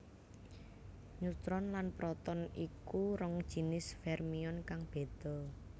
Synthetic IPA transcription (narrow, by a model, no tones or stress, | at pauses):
ɲut̪ɾɔnlanpɾɔt̪ɔnikuɾɔŋd̥ʒ̥i̤nɪsfɛrmiɔnkaŋb̥e̤d̪̥ɔ̤